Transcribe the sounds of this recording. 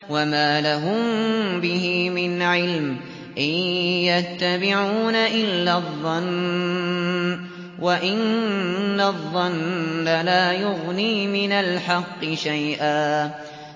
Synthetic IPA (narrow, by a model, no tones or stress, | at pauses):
wamaːlaɦʊmbɪɦɪmɪnʕɪlm | ʔɪjjat̪ːabɪʕuːnaʔɪlːaðˤːɑn | waʔɪnː | aðˤːɑnːalaːjʊɣniːmɪnalħɑqːɨʃajʔaː